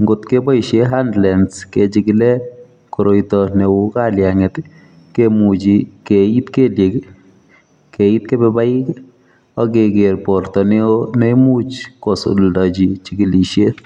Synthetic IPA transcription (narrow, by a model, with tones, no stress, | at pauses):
ŋɡo˨tke˦bɔ˦i˨ʃje˦ɦa˦ndlɛ˨nske˨t͡ʃikilɛ˦ | ko˨ɾo˨jtɔ˨ne˨u˦ka˦ljaŋe˨t | ke˦mu˨t͡ʃi˨kei˦tke˦lje˨k | ke˨i˦tke˦bɛba˦j | ɔ˦ke˨ɡe˨ɾpɔ˨rtɔ˨ne˦ne˦mu˦t͡ʃkɔ˨so̰ldɔ˨d͡ʒi˨t͡ʃi˨ɡi˨li˨ʃje˦